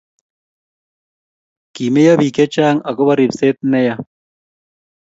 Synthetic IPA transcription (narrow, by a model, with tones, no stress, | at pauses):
ki˨me˦ja˦βi˨kɛ˦t͡ʃa˦ŋa˨ko˦βa˦ɾi˨pse˦t̪̚nɛ˦ja˦